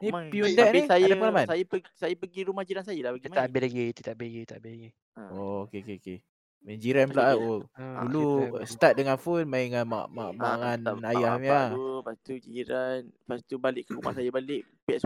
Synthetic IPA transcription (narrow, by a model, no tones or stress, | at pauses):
nĩpiundɛʔnisajdapəŋalamansajəəsajəpəɡiɾumahd͡ʒiɾansajəlahpəɡiit̪aʔabelaɡit̪ət̪aʔbelaɡit̪aʔabɪlaɡi | okekeke | mad͡ʒiɾanpəlaʔaodulust̪at̪̚dəŋanfonmaiŋanma̰ʔma̰ʔmaŋanajahmiaupast̪ud͡ʒiɾanfast̪ubalɪʔkəɾuma̰hsajəbalɪʔ | pɛʔs